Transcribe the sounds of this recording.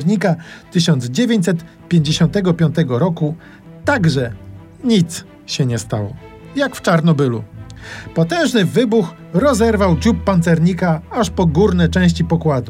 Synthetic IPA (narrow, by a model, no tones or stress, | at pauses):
ɾɲikat̪ɘɕɔnd̪zd͡ʑevʲjeɲt͡ɕʲsɛt̪ | pʲjeɲd͡ʑeɕɔnt̪ɛɡɔpʲjɔnt̪ɛɡɔɾɔku | t̪aɡʐɛ | ɲit̪s | ɕɛɲɛst̪a̰wɔ̰ | jakft͡ʂaɾnɔbɘlṵpɔt̪ɛ̃w̃ʐnɘvɘbux | ɾɔzɛɾvawd͡ʑupːant̪sɛɾɲikaaʂpɔɡuɾnɛt͡ʂɛ̃w̃ɕ̬t͡ɕipɔkwad̪u